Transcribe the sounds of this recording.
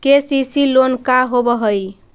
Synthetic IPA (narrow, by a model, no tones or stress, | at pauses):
kesisilonkaɦobəɦəj